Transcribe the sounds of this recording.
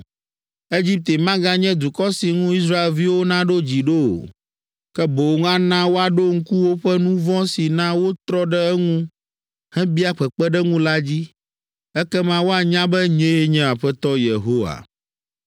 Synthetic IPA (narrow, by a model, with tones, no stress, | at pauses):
e˦d͡ʑi˦p̚t̪e˨mã˦ɡã˦ɲɛ̃˦d̪u˨kɔ˦si˨ŋũ˦i˦s̬ɾa˦e˨lvi˦wo˦nã˦ɖo˦d͡ʑi˨ɖo˦o̰˨ | kɛ˦bo˨wŋ˦ã˦nã˦wo˦a˨ɖo˦ŋ̩˦ku˦wo˦ɸɛ˦nũ˦vɔ̃˦si˨nã˦wo˦t̪ɾɔ˦ɖɛ˦ɛ˦ŋũ˦ | hɛ̃˦bi˦a˦k͡pɛ˨k͡pɛ˦ɖɛ˦ŋũ˦la˦d͡ʑi˦ | ɛ˦kɛ˦mã˦wo˦a˨ɲã˦bɛ˦ɲẽ˦e˦ɲɛ̃˦a˨ɸɛ˦t̪ɔ˦je˨ɦo˦wa̰˨